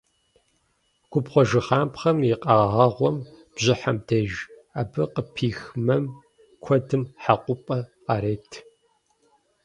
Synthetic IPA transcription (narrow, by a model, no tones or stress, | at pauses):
ɡʷʰʊpχʷɔʒɨχaːmpχɐmjiqʼɑːʁɐʁʷɔm | b̥ʑɪħamdʰɐʒ | aːbɨqʼəpʰiːxmɐm | kʷʰɔdɨmħaqʷʼʊpʼɐqaːɾeːtʰ